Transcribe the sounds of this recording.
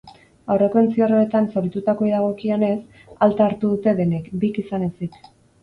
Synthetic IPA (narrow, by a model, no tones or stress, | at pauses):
awre̞ko̞ent͡siaroet̪ansoɾit̪ut̪ako̞iðaɣ̞o̞kione̞s | alt̪aːɾt̪uðut̪e̞ðenekbikisane̞sik